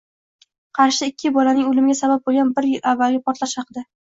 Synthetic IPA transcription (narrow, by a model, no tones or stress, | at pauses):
qʰɑɾʃɪɪkʲʰːɪbɒlanɪŋolɪmɪɡʲasabap̚bolˠɡʲanbɪɾjɪlavːalɡʲɪapʰɒɾt̪laʃhɑqɨd̪a